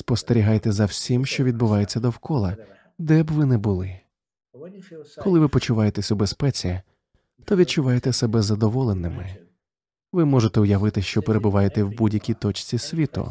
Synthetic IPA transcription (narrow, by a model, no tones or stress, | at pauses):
spɔst̪eɾʲiɦajt̪ɛzɐwsʲimʃt͡ʃɔʋʲid̪̚bʊʋɑjet͡sʲːɐd̪ɔwkɔlˠɐ | d̪ɛbʋɪnɛbʊlˠɪ | kɔlˠɪʋɪpɔt͡ʃʊʋajet̪esʲʊbespɛt͡sʲijɐ | t̪ɔʋʲid̪̚t͡ʃʊʋɑjet̪ɛsɛbɛzɐd̪ɔʋɔlˠenɪmɪ̰ | ʋɪmɔʐet̪ɛʊjɐʋɪt̪ɪʃt͡ʃɔpeɾebʊʋɑjet̪ɛwbudʲjɐkʲit̪ɔt͡ʃt͡sʲisʲʋʲit̪ʊ̰